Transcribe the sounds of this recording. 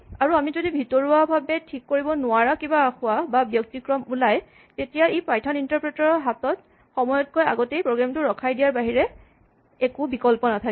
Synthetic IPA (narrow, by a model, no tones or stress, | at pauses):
aɹuamizodibʱitɔɹuabʱabɛtʰikːoɹibɔnʊaɹakibaaxʊababjɔk̚tikɹɔmulaj | tetijaejpajtʰɔnintaɹpɹɛtɔɹɔɦatɔt | xɔmɔjɔt̚koja̰ɡɔtejpɹoɡɹamtʊɹɔkʰajdijaɹbaɦiɹɛ | ekubikɔlpɔnatʰak